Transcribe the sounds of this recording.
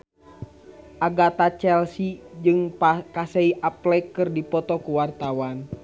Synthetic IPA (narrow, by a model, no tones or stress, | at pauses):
ʔaɡat̪at͡ʃɛlsid͡ʒɨŋkasɛiʔaplɛkːɨrdipɔt̪ɔkuwart̪awan